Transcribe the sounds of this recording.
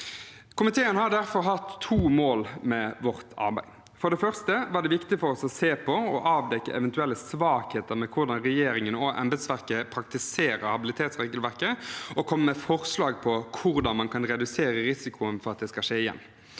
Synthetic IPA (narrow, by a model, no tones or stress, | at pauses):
kʰʊmɪt̪ʰeːənhɑɾɖ̪æɾfɔɾɦɑt̪ʰːuːmoːlmɛʋɔʁt̪ʰɑ̰ʁbæɪ | fɔɖɛfœʁst̪əʋɑːɖ̪ɛʋɪkt̪ɪfɔɾɔsɔseːpʰɔɔʔɑːʋd̪ɛkːə̰ʔɛʋɛnt̪ʉɛlːəsʋɑːkheːt̪əɾmɛkʰʊɾd̪ɑnɾɛjeːɾɪŋənɔʔɛ̰mbɛd̪sʋæʁkəpʰɾɑk̚t̪ɪseːɾəhɑbɪlɪt̪ʰeːt̪sʁeːɡəlʋæɾkəɔkʰɔmːəmɛfɔʁslɑːɡpʰɔkʰʊʁd̪ɑnmɑnkʰɑnɾɛd̪ʉseːɾəɾɪsɪkʰʊənfɔɾɑt̪̚d̪ɛːskɑʂeːɪjɛ̰nː